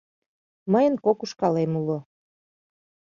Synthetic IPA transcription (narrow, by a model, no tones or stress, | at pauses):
məjənkokuʃkɑlemulo